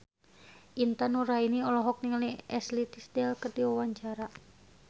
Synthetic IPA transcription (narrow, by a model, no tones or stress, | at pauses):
ʔint̪anuɾainiɔlɔɦɔk̚niŋəliɛslit̪isdɛlkərdiwawaɲt͡ʃaɾa